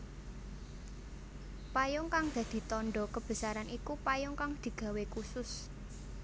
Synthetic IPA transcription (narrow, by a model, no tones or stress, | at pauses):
pajʊŋkaŋd̪̥ä̤d̪̥i̤t̪ɔnɖɔkəb̥ə̤saɾanʔikupajʊŋkaŋd̪̥i̤ɡ̥a̤wekusʊs